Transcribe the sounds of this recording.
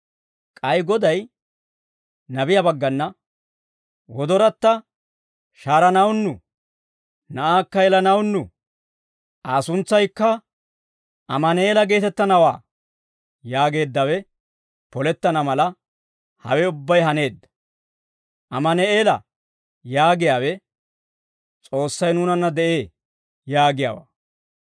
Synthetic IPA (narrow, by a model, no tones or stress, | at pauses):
kʼɐjɡɔd̪ɐj | nɐbɪjɐbɐɡːɐnːɐ | wɔd̪ɔɾɐt̪ːɐ | ʃaːɾɐnɐwnːʊ | nɐʔaːkːɐjɛlɐnɐwnːʊ̰ | aːsʊnt͡sːɐjkːɐ | ʔɐmɐneːlɐɡe̞ːt̪ɛt̪ːɐnɐwaː | jaːɡe̞ːd̪ːɐwɛ | pɔlɛt̪ːɐnɐmɐlɐ | hɐ̰wɛʊbːɐjɦɐne̞ːd̪ːɐ̥ | ʔɐmɐnɛeːlɐ̰ | jaːɡɪjaːwɛ | t͡sʼo̞ːsːɐjnuːnɐnːɐd̪ɛʔe̞ː | jaːɡɪja̰ːwa̰ː